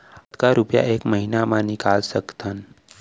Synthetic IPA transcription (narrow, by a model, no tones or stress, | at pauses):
ət̪kaɾupja̰ʔeːkməɦinamãnɪkaːlsəkt̪ʰən